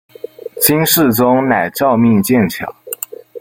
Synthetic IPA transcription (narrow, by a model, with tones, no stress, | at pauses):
t͡ɕʰi˥nʂɻ̩˥˩t͡sʊ˥ŋna˨˩ɪʈ͡ʂɑ˥˧ʊmi˥˧ŋt͡ɕjɛ˥˩nt͡ɕʰjɑ̰˨˩˦